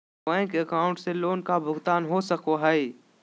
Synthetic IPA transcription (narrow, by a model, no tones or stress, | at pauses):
ɛ̃kəkaːʊ̃ɳʈseloːnkabʱʊɡt̪aːnɦosəkoɦai